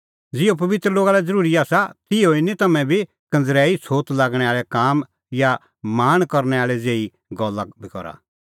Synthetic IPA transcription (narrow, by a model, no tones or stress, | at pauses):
d͡zɪop̬ɐʋɪt̪ɾəloːɡaːlɛd͡zɐɾuːɾiaːsat̪ɪoinit̪ɐmɛ̃bʱi | kɐ̃nd͡zɾɛːisʰoːt̪laːɡɽ̃ɛaːɭɛkaːm | ja | maːɽ̃kɔɾñɛaːɭɛd͡zeːi | ɡɔlːabʱikɔ̰ɾa̰